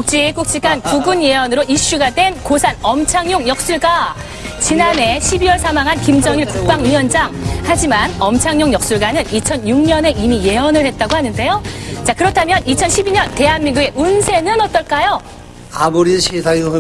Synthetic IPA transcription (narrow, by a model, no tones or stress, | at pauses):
uk̚t͡ɕ͈ik͈uk̚t͡ɕ͈ik͈ankuɡunje̞ʌnɯɾoiɕ͈uɡadwe̞nkosʰanʌmt͡ɕʰaŋjoŋjʌk̚s͈uɭɡa | t͡ɕinane̞ɕʰibiwʌɭsʰamaŋɦankimd͡ʑʌŋiɭkukp͈aŋiʌnd͡ʑaŋhad͡ʑimanʌmt͡ɕʰaŋjoŋjʌk̚s͈uɭɡanɯnit͡ɕʰʌnjuŋɲʌne̞imije̞ʌnɯɭhe̞t̚t͈aɡohanɯnde̞jot͡ɕakɯɾʌtʰamjʌnit͡ɕʰʌnɕʰibiɲʌnte̞ɦanmiŋɡuɡe̞ʔunsʰe̞nɯnʌt͈ʌɭk͈ajo | aboɾiɕʰisʰao